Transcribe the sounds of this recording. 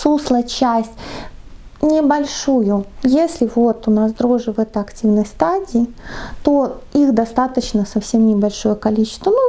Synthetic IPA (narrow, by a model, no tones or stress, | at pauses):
suslˠət͡ɕæsʲtʲ | nʲɪbɐlʲʂujʊjesʲlʲɪvo̞t̪ʊnasd̪ɾoʐɨvɛt̪əɐktʲivnəjst̪adʲɪː | t̪oixd̪ɐst̪at̪ət͡ɕnəsɐfsʲe̞mnʲɪbɐlʲʂo̞jəkɐlʲit͡ɕɪ̥st̪vənu